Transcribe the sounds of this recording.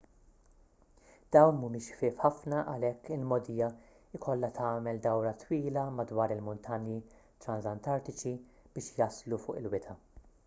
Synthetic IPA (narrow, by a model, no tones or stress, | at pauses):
d̪̥ɐwnmuːmɪʃfɪːfħɐfnɐʔɐlɛkːɪlmɔd̪iːjɐ | ɪkʰɔlːɐt̪ʰɐːmɛld̪ɐwɾɐt̪wiːlɐmɐd̪wɐːɾɪlmʊnt̪ʰɐnji | t̪ɾɐnzɐnt̪ɐɾt̪ɪt͡ʃi | b̥ɪːʃjɐslufʊ̰ːʔɪlwɪt̪ʰɐ